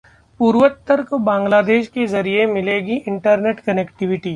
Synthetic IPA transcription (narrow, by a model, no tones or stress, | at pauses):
puːɾʋət̪ːəɾkobãːŋɡlaːd̪eːʃkezɐɾiemɪleːɡiʔɪ̃ɳʈəɾneːʈkɐnɛkʈɪʋɪʈiː